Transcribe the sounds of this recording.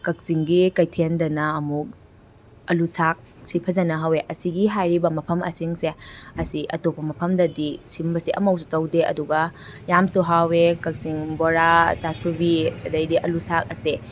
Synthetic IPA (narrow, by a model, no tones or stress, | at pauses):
kɐk̚siŋɡikɐjtʰendɐnɐːmuk̚ | ɐlusak̚ | sipʰɐzɐnɐɦaweʔɐsiɡiɦajɾibɐmɐpʰɐmʔɐ̰siŋseɐsiʔɐ̰topːɐmɐpʰɐmdɐdisimbɐsiʔɐ̰mɐwsu̥tɐwdeɐ̰duɡɐ | jamsuɦawekɐk̚siŋboɾasasubiɐdɐjdiʔɐlusak̚ɐse